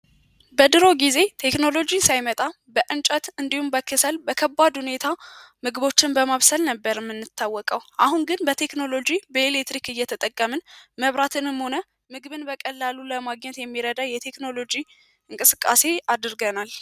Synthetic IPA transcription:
bəd̪ɨɾo̞ɡize̞t̪ʰe̞kno̞lo̞d͡ʒisajmət̪ʼa | bəʔɨnt͡ʃʼət̪ɨnd̪ihumbəkʰːɨsəlbəkʰəbːad̪hune̞t̪ʰa | mɨɡɨβo̞t͡ʃːɪnbəmaβsəlnəbːəɾɨmːɨnːɨt̪ʰːawːɔkʼəwʔahunɡɨnbət̪ʰe̞kno̞lo̞d͡ʒibəelekt̪ɾikɨjːɛt̪ʰət̪ʼəkʼːəmɨnməβɾat̪ʰɨnɨmho̞nə | mɨɡɨβɨnbəkʼəlːaluləmaɡɲɛt̪jɛmːiɾəd̪ajɛt̪ʰe̞kno̞lo̞d͡ʒi | ɨŋkʼɨsɨkʼːa̰se̞ad̪ɨɾɡənal

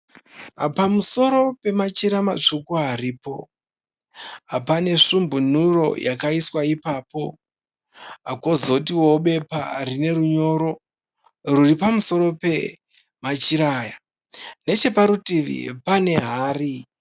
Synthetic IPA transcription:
ɦa̰pamuso̞ɾo̞pe̞mat͡ʃiɾamat͡ʂukuariːpo̞̰ | apane̞ʂumbun̤uro̞̰jʔakaiswaipaːpo̞ | a̰kozo̞t̬iwo̞ɓe̞pa̰rine̞ruɲo̞ːɾo̞ | ruripamuso̞ɾo̞pe̞ | mat͡ʃiɾaːja | ne̞t͡ʃe̞paɾutiʋḭpane̞ɦaːri

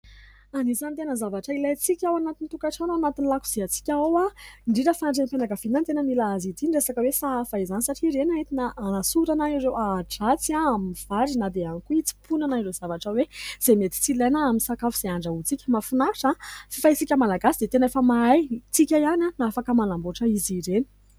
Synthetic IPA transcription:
anizanit̪̬enəzavaʈ͡ʂəilat͡sikʲawanat̪int̪ukaʈ͡ʂanaanat̪inilaku̥z̥iat͡si̥kʲaowaiɳɖ͡ʐiɾəfaɳɖ͡ʐenpanaɡafinant̪enənilaazid̪inresakəwesaafaizanisaʈ͡ʂiɾenaet̪inaanasuɾanaiɾewaʈ͡ʂat͡siaamiv̥aɾinad̪eanikuit͡si̥punanairez̥avaʈ͡ʂəwez̥emet̪i̥t͡silajnaamisakafuz̥eaɳɖ͡ʐaut͡sikʲəmafunaʈ͡ʂãfifajt͡sikʲəmalaɡasid̪et̪enefəmaajt͡sikʲajananaafakəmalamboʈ͡ʂəiziɾeni̥

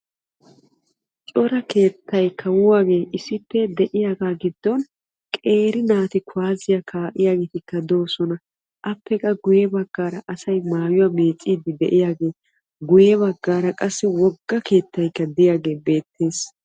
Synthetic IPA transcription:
t͡ʃʼɔɾɐke̞ːt̪ːɐjkʰːɐwʊwaːɡe̞ːʔɪsɪpːɛd̪ɛʔɪjaːɡaːɡɪd̪ːɔn | kʼe̞ːɾɪnaːt̪ɪkʊaːzɪjakʰaːʔɪjaːɡeːt̪ɪkːɐd̪o̞ːsɔnɐ | ʔɐpːɛkʼːɐɡʊjɛbɐɡːaːɾɐʔɐsɐjmaːjʊwaːme̞ːt͡sʼːiːd̪ɪd̪ɛʔɪjaːɡe̞ː | ɡʊjɛβɐɡːaːɾɐkʼɐsːɪwɔɡːɐke̞ːt̪ːɐjkːɐd̪ɪjaːɡe̞ːbe̞ːt̪ːe̞ːs

